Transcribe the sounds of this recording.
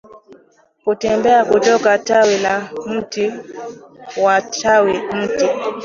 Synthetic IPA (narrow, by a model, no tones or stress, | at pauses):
kutɛmbɛakudɔɡatawɛnam̩ti | watawim̩ti